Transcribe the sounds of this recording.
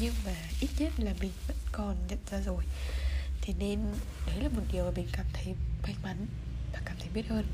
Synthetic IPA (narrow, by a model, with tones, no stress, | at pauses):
ɲɨ˧ŋmaː˨˩ʔi˦˥t̚ɲə˦˥t̚laː˨˩mï˨˩ŋ̟və̰˧˥nkɔ˨˩nɲə̰˧˨nzaː˧zo˨˩jt̪ʰe˨˦ne˧n | ɗə˨˦jlaː˨˩mo˨˩t̚ɗi˨˩əwmaː˨˩mï˨˩ŋ̟kaː˨˧˩mt̪ʰə˨˦jfa˧jma˨˦n | vaː˨˩kaː˨˩mt̪ʰə˨˦jɓi˦˥ət̚həː˧n